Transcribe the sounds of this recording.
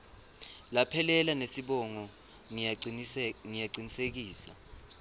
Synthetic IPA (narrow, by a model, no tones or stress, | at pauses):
lapʰɛlɛlanesiɓɔŋɔ | ŋijaǀinisek̬iːsa̰